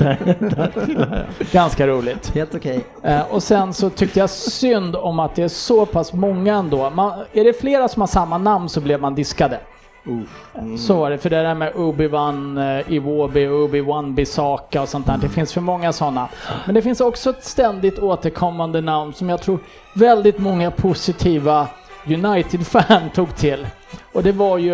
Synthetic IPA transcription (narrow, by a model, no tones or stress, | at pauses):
ɡ̥anskaɾuːlɪt̪heːlt̪ʊkʰɛj | ɔsɛnsɔt̪ʰʏk̚t̪əjasʏnd̪ɔmat̪̚d̪ɛæʂɔpʰasmɔŋːaɛnd̪oːmanæɖɛfleːɾasɔmhaʂamːanamnsɔblɛvmand̪ɪskad̪ə | sɔvaɖɛfœɖɛɾæːɾmɛʔɵbɪvanɪvoːbɪɵbɪwanbɪsɑːkaɔsɔnt̪ʰæːɖɛfɪnsfœɾmɔŋːasɔnːamɛnd̪ɛfɪnsɔksɔɛt̪st̪ɛnd̪ɪt̪oːt̪əɾkʰɔmːand̪ənamnsɔmjaɡ̚t̪ʰɾuːɾ | vɛld̪ɪt̪mɔŋːapʰʊsɪt̪ʰiːva | jɵnajt̪ɪd̪fænt̪ʰuːɡt̪ʰɪlː | ɔd̪ɛvaɾjɵ